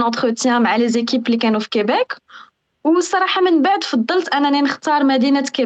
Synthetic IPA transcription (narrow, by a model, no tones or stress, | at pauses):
nɑ̃t̪χət̪jæ̃maʕalezekiplikænufi̥kæbæk | wsˤːɑɾˤɑħɑmənbaʕd̪fɑd̪ˤːəlt̪ʔænːænænəxt̪ɑɾˤmæd̪inæt̪kæ